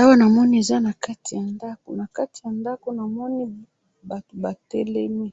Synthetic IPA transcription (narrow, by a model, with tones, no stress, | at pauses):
a˦wa˦na˨mɔ˦ni˦e˨za˦na˨ka˦tʰi˨ja˨nda˦ko̰˨na˨ka˦ti˨ja˨nda˦ko˦na˨mɔ˦ni˦ | ba˨to˨ba˨tɛ˦lɛ˦mi˦